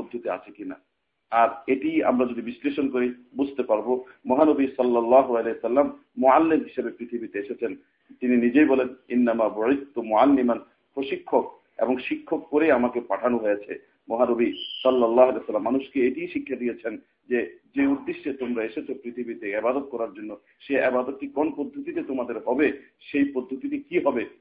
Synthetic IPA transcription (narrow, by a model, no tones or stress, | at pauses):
mod̪ʱːut̪ea̰t͡ʃʰekina̰ | aɾeʈia̰mɾad͡ʒod̪ibisleʃonkoɾibud͡ʑʱt̪epaɾbomɔɦanobisɔlːɔlːaɦoaleɦesɐlːamː | oalːimɦiʃabepɾit̪ʰibit̪eeʃet͡ɕʰen | t̪ininid͡ʑejbɔleninːamabuid̪̚t̪umʊalːiman | pɾoʃikʰːok̚ | ḛboŋʃikʰːokːoɾejamakepaʈʰanoɦoeat͡ɕʰḛ | moɦanobisɔlːɐlːaɦalesalːamːanuʃkeeʈijʃikʰːad̪ijet͡ɕʰen | d͡ʑed͡ʑeud̪ːiʃːet̪omɾaeʃet͡ɕʰopɾit̪ʰibit̪eebad̪ot̪̚kɔɾaɾd͡ʑonːo | ʃeebad̪ot̪̚ʈikɔnpod̪ʱːot̪it̪et̪omad̪eɾɦɔbe | ʃejpod̪ʱːot̪it̪ekiɦɔbe